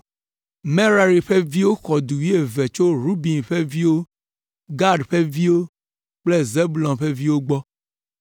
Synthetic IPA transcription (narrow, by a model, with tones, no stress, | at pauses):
me˦ɾa˨ɾi˨ɸe˦vi˦wo˦xɔ˨du˨je˨ve˨t͡ʃo˦ɾu˦bi˨nɸe˦vi˦wo˦ | ɡa˦ɖɸe˦vi˦wo˦ | k͡ple˦ze˦bu˨lɔ̃˨ɸe˦vi˦wo˦ɡ͡bɔ˦